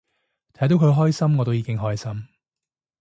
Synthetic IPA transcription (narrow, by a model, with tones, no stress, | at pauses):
t̪ʰɐ˨˥jt̪̬o˨˥wkʰɵ˨˧ɥɦɔː˥jsɐ˥mŋɔː˨˧t̪o˥wjiː˨˧kɪ˥ŋɦɔː˥jsɐ˥m